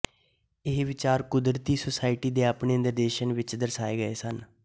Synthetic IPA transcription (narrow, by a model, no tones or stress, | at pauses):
ɪɦʋɪt͡ʃaːɾkʊd̪ɾt̪iːsoːsaːɪʈiːd̪eːaːpɳeːənd̪əɾd̪eːʃənʋɪt͡ʃd̪əɾsaːeːɡəeːsən